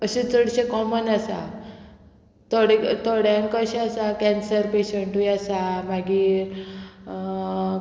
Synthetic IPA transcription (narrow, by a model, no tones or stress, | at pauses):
əɕit͡səɽɕẽkɔmənasa | t̪oɽet̪oɽjaŋkəɕeasakɛ̃nsəɾpeɕeɳʈujasamaɡiːɾ